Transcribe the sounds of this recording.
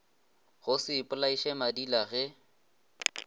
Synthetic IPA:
ɣʊsɪːpʼʊlaiʃɛmadilaɣɛ

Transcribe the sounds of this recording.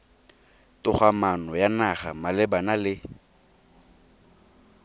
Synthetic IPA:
tʊχwamanɔjanaχamalɪbanalɪ

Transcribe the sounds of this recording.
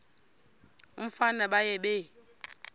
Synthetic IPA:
um̩fanaɓajɛɓɛ

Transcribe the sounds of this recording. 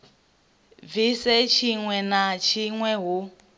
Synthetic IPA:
visɛt͡ʃʰiŋwɛnat͡ʃʰiŋwɛɦu

